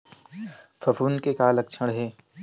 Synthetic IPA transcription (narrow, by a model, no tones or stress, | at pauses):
fɐfuːnkekaːlɐkt͡ʃʰəɽɦeː